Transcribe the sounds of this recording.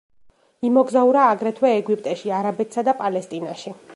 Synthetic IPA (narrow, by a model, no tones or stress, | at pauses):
imɔɡzauɾaːɡɾɛt̪ʰwɛːɡwipʼt̪ʼɛʃiaɾabɛt̪ʰsad̪apʼalɛst̪ʼinaʃi